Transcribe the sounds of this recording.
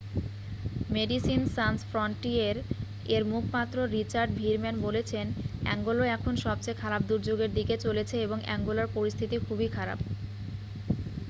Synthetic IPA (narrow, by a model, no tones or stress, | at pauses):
meɖisinsansfɾoɳʈieɾ | eɾmukʰmat̪ːɾoɾit͡ɕaɾɖbʱiɾmɛnbolet͡ɕʰenɛ̰ŋɡoloɛkʰonʃɔb̚t͡ɕajkʰaɾabd̪uɾd͡ʑoɡeɾd̪iket͡ɕolet͡ɕʰeeboŋɛ̰ŋɡolaɾpoɾist̪ʰit̪ikʰubʱikʰaɾa̰b